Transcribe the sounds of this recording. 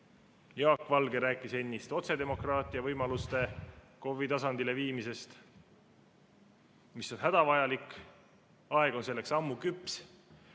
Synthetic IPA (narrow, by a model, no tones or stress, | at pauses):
jɑːkːˑvɑlɡe̞ɾæːkːˑise̞nʲːist̪o̞t̪se̞d̪e̞mo̞krɑːt̪ːˑiɑvɤjmɑlust̪e̞ | ko̞vit̪ɑsɑnd̪ile̞viːmise̞st̪ | misːo̞nɦæd̪̥ɑvɑjɑlikˑ | ɑeɡ̥o̞nse̞lːe̞ksɑmːukypːˑs